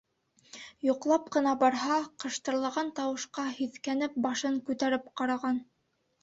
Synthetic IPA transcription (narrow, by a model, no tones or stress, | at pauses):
joqlˠɑp̚qɤ̆nɑbɑɾɦɑqɤ̆ʃt̪ɤ̆ɾlˠɑʁɑnt̪ɑwɤ̆ʃqɑhiðkænɘp̚bɑʃɤŋkʉt̪æɾɘp̚qɑɾɑʁɑn